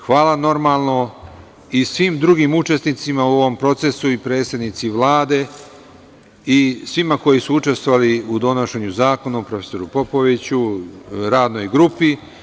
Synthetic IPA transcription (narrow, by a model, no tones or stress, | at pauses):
xʋaːlano̞ɾmaːlˠno̞ | isʋimd̪ɾuɡimut͡ʃe̞st̪nit̪simauo̞ʋo̞mpɾo̞t̪se̞suipɾe̞ːt̪st̪ad̪nit̪siʋlˠaːd̪e̞ | isʋimako̞jisuut͡ʃe̞st̪wo̞ʋaliud̪o̞noʃe̞ɲuzaːko̞napɾo̞feso̞ɾupo̞po̞ʋit͡ɕuɾaːd̪no̞jɡɾupi